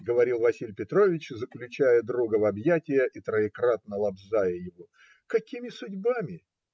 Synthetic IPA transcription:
ɡəvɐɾʲilˠvɐsʲilʲpʲɪt̪ɾo̞vʲɪt͡ɕzəklʲʉt͡ɕæjəd̪ɾuɡəvɐbjætʲɪjəʔit̪ɾəɪkɾat̪nəlˠɐbzajəjɪvo | kɐkʲimʲɪsʊdʲbamʲɪ

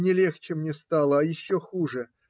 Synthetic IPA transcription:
nʲɪlʲext͡ɕɪmnʲɪst̪alˠəɐjɪɕːoxuʐɨ

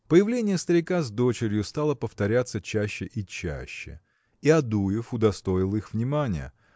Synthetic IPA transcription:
pəjɪvlʲenʲɪjəst̪əɾʲɪkazd̪o̞t͡ɕɪɾʲjʊst̪alˠəpəft̪ɐɾʲat̪sət͡ɕæɕːɪʔit͡ɕæ̰ɕːɪ̰ | iɐd̪ujɪfʊd̪ɐst̪o̞ɪlˠixvnʲɪmanʲɪ̰jə̰

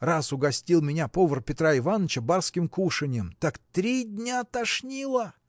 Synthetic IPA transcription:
rasʊɡɐsʲtʲilˠmʲɪnʲapovərpʲɪt̪ɾaɪvanːət͡ɕəbarskʲɪmkuʂɨnʲɪjəmt̪akt̪ɾʲidʲnʲat̪ɐʂnʲilˠə

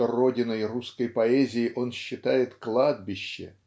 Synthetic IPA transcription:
oro̞dʲɪnəjruskəjpɐɛzʲɪjɪʔo̞nɕːɪt̪ajɪt̪klˠad̪̚bʲɪɕːɪ̰

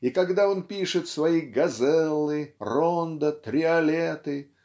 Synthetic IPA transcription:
ikɐɡd̪ao̞npʲiʂɨt̪svɐiɡɐzɛlˠɨrond̪ət̪ɾʲɪɐlʲet̪ɨ

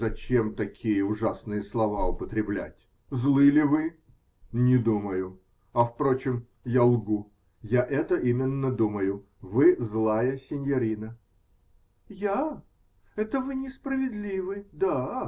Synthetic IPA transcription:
zɐt͡ɕe̞mt̪ɐkʲʰijəʊʐasnɨjəslˠɐvaʊpət̪ɾʲɪblʲæ̰tʲ | zlˠɨlʲɪvɨ | nʲɪd̪uməjʊ | ɐfpɾot͡ɕɪm | jalˠɡu | jaʔɛt̪əʔimʲɪnːəd̪uməjʊ | vɨzlˠajəsʲɪnʲjɐɾʲinə | ja | ɛt̪əvɨnʲɪspɾəvʲɪd̪lʲivɨd̪a

